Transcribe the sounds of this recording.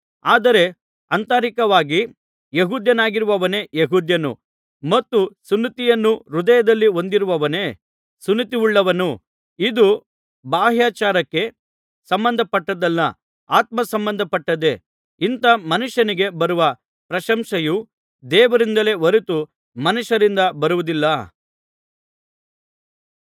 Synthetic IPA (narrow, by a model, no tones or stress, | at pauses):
aːd̪ɐɾe̞ | ɐnt̪aːɾikɐʋaːɡi | jeɦuːd̪jɐnaːɡiɾuʋɐʋɐne̞jeɦuːd̪jɐnṵ | mɐt̪ːusunːit̪ijɐnːuɾud̪ɐjɐd̪ɐlːio̞nd̪iɾuʋɐʋɐne̞ | sunːit̪iuɭːɐʋɐnu | id̪u | baːɦjaːt͡ʃaːɾɐkːe̞ | sɐmbɐnd̪ʱɐpɐʈːɐd̪ɐlːɐ | aːt̪̚mɐsɐmbɐnd̪ʱɐpɐʈːɐd̪e̞ | int̪ɐmɐnuʃjɐniɡe̞bɐɾuʋɐ | pɾɐʃɐmʂɐju | d̪ɛːʋɐɾind̪ɐle̞ʋoɾut̪u | mɐnuʃɐɾind̪ɐbɐɾuʋud̪ilːɐ